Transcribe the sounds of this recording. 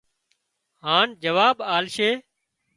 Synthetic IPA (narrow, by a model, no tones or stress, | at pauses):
ɦaːnd͡ʒəʋaːɓaːlʃeː